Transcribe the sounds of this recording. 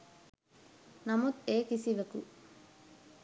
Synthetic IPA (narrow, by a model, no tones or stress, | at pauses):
nɐmut̪eːkisiʋekṵ